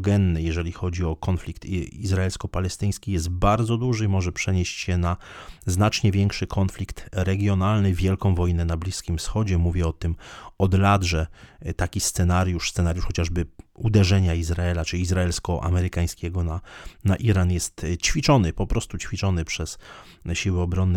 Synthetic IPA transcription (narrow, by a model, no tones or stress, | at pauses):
ɡɛnːɘjɛʐɛlʲixɔd͡ʑiɔkɔnflʲikt̪izɾaɛlskɔpalɛst̪ɘj̃skʲijɛst̪̚baɾd̪zɔd̪uʐɘimɔʐɛpʂɛɲeɕt͡ɕɕɛnaznat͡ʂɲɛvʲjɛŋkʂɘkʰɔnflʲikt̪ɾɛɡʲjɔnalnɘvʲjɛlkɔ̃w̃vɔjnɛnablʲiskʲimfsxɔd͡ʑɛmuvʲjɛɔt̪ɘmɔd̪lad̪ʐɛt̪akʲist̪sɛnaɾʲjuʂssɛnaɾjuʂxɔt͡ɕaʐbɘud̪ɛʐɛɲaizɾaɛlat͡ʂɘiizɾaɛlskɔʔa̰mɛɾɘkaj̃skʲɛɡɔnanaʔiɾanjɛst̪t͡ɕfʲit͡ʂɔnɘpɔpɾɔst̪ut͡ɕfʲit͡ʂɔnɘpʂɛs | ɕiwɘɔbɾɔnː